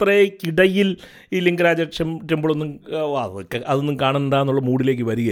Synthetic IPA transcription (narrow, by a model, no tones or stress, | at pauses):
t̪rɐjkiɽɐjil | iliŋɡɐɾaːd͡ʑɐʂɐmʈːɐmboɭo̞nːumʋaːðɐkːeʔɐðo̞nːɨmkaːɳɐnend̪aːnːuɭːɐmuːɽile̞ːk̬ːɨʋɐɾiɣɐ